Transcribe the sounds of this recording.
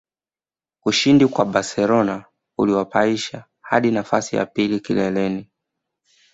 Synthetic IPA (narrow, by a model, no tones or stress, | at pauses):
uʃindikwaɓasɛlɔna | uliwapaiʃa | ha̰ɗinafasija̰pilikilɛlɛni